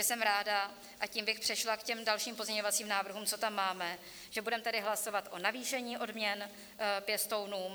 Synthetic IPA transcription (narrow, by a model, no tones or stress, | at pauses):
ɛsɛmɾaːda | ʔaciːmbɪxpr̥ɛʃlakcɛmdalʃiːmpo̞zɲɛɲo̞vat͡siːmnaːvr̩ɦuːmt͡sot̪amːaːmɛ | ʒ̥ɛbudɛmɛt̪adɪɦlaso̞vat̪ʔo̞naviːʃɛɲiːʔo̞dmɲɛn | pjɛst̪o̞wnuːm